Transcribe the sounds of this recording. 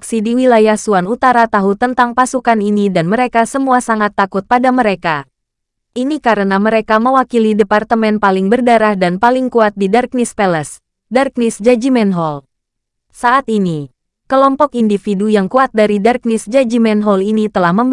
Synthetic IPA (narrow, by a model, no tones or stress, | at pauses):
ksidiwilajahsuanut̪aɾat̪aɦut̪ənt̪aŋpasukaninidanməɾekasəmuasaŋat̪ːakʊt̪̚padaməɾeka | ʔinikaɾənaməɾekaməwakilidepart̪əmɛnpalɪŋbərdaɾahdanpalɪŋkuat̪̚didark̚nispɛləs | dark̚nɪsd͡ʒad͡ʒimɛnɦɔl | saʔat̪ini | kəlɔmpɔkindifidujaŋkuat̪̚daɾidark̚nisd͡ʒad͡ʒimɛnɦɔlinit̪əlahməmb